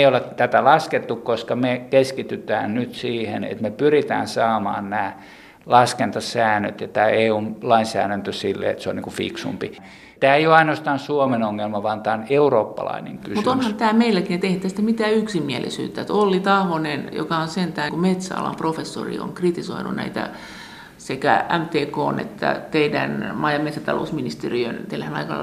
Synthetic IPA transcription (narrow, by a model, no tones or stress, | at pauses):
eijolet̪æt̪ælɑsket̪ːukkoskɑmekeskit̪yt̪æ̰ːnnyt̪siːhḛnḛt̪mepyrit̪æ̰ːnsɑːmɑ̰ːnnæː | lɑskent̪ɑsæːnːø̰t̪jɑt̪æːeːuːnlɑinsæ̰ːɾænt̪øsilːḛḛt̪seo̰niŋkufḭksṵmpi | t̪æːeijoɑinost̪ɑːnsuomenoŋːelmɑʋɑnt̪ɑːoneuroːpːɑ̰lɑ̰ineŋkysmutt̪onhɑnt̪æːmeilːækinet̪ehit̪ːæsi̥t̪ːæmit̪æːyksimːiælḭsy̰ːt̪ːæet̪olːit̪ɑhʋonenjo̰kɑonsent̪æhkumet̪sæɑ̰lɑ̰mprofesːo̰rḭo̰ŋkrit̪isoinunæ̰it̪æ̰ | sekææmt̪eːkoːnḛt̪ːæ̰t̪eidænmɑjɑmet̪sæt̪ɑlo̰usminist̪eriønt̪eilæhænɑ̰ikɑlː